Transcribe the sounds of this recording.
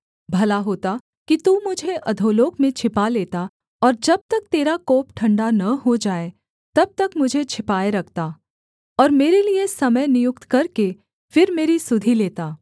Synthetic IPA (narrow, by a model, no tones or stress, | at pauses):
bʱɐlaɦoːt̪a | kit̪uːmʊd͡ʒʱeʔɐd̪ʱoːloːkmẽt͡ʃʰɪpaleːt̪a | ɔːɾd͡ʒɐb̚t̪ɐk̚t̪eːɾakoːpʈʰɐ̃ɳɖanɐɦod͡ʒaːe | t̪ɐb̚t̪ɐkmʊd͡ʒʱet͡ʃʰɪpaːeɾɐkʰt̪aː | ɔːɾmeːɾeliesɐməjnɪjʊk̚t̪kɐɾke | fɪɾmeːɾisʊd̪ʱileːt̪aː